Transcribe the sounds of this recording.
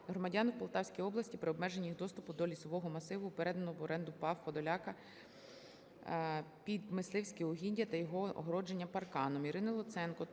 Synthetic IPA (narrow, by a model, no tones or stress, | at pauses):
ɦɾɔmɐdʲɑnwpɔlˠt̪ɑwsʲkʲijɔblˠɐsʲtʲipɾɪɔbmɛʒenʲːijixd̪ɔst̪ʊpʊd̪ɔlʲisɔʋɔɦɔmɐsɪʋʊupeɾɛd̪ɐnɔɔʋɔɾʔɛnd̪ʊpɑwxɔd̪ɔlʲɑkɐ | pʲid̪mɪslˠɪwsʲkʲiɔɦʲinʲdʲɐt̪ɐjɔɦɔɔ̰ɦɾɔd͡ʒe̞nʲːɐpɐrkɑnɔmiɾɪnɪlˠɔt̪sɛnkɔ